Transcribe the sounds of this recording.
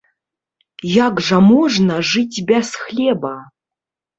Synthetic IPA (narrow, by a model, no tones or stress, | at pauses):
jakʐɐmɔʐnɐʐɨtʲbʲasxlʲɛbɐ